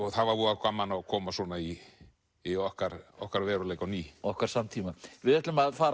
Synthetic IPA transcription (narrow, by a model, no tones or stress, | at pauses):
ɔɣθaðvaɾvuakʰamanakʰɔːmasɔːnaiː | ɔhkaɾ̥ɔ̰hkaɾvɛːɾʏleːjkawniːɔhkaɾ̥samt̪ʰiːmavɪðɛht̪lʏmaðfaːɾ